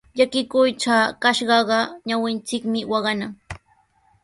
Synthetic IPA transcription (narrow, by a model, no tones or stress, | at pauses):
ʎakɪkʊjʈ͡ʂaːkaʃɢɑɢɑɲawɪnt͡sɪkmɪwɑɢɑnaŋ